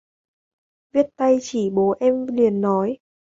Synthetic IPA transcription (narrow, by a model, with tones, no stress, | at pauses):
vi˦˥ət̚t̪a˧jt͡ɕi˧˩ɓo˨˦ʔɛ˧mli˨˩ənːɔ˨˦j